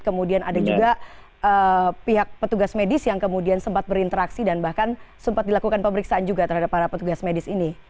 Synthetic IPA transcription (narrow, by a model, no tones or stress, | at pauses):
kəmudiana̰dad͡ʒuɡa | əpiɦak̚pət̪uɡasmedɪsjaŋkəmudiansəmpat̪̚bəɾint̪əɾaksidanbahkansəmpat̪dilakukanpəməɾiksaːnd͡ʒuɡat̪ərɦadapːaɾapət̪uɡasmedɪsini